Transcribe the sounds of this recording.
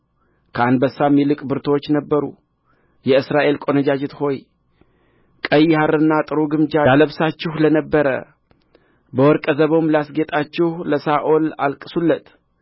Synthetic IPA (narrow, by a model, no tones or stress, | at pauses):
kʰəand̪bəsːamːilɨkʼbɨɾt̪ʰwot͡ʃːnəbːəɾṵ | jɛɨsɾaʔe̞lkʼo̞nəd͡ʒad͡ʒɪt̪ho̞j | kʼəjhaɾɨnːat̪ʼɨɾuɡɨmd͡ʒajaləβsat͡ʃːɪhlənəbːəɾə̰ | bəwɔɾkʼəzəβo̞mləasɡe̞t̪ʼat͡ʃːɪhləsaʔola̰lkʼɨsulːət̪